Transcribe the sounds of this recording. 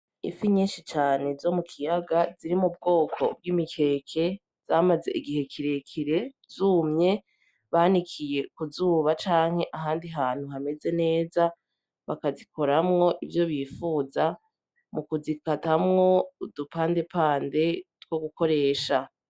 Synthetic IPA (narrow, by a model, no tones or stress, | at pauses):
ḭfiɲiːnʃit͡ʃaːne̞zo̞mukʰijaɡaziɾimub̚ɡo̞ːkʰo̞̰b̚ɡimikʰe̞ːkʰe̞ | z̥amaze̞̰ʔiɡiɦe̞kʰiɾe̞kʰiɾe̞ | zuːmɲe̞ | βaːnikʰije̞kuzuːβat͡ʃaːŋ̥he̞ʔaɦaːndiɦaːn̥huɦame̞ze̞ne̞ːza | βakazikʰo̞ɾamŋo̞ʔivjo̞βifuːza | mukuzikatamŋo̞dupaːnde̞paːnde̞two̞ɡuko̞ɾe̞ːʃa